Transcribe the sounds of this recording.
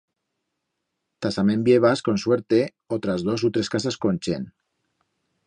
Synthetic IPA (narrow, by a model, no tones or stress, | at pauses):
t̪asamembjeβ̞asko̞nsweɾt̪e | ot̪ɾazðo̞sut̪ɾe̞skasaskonʲt͡ʃḛn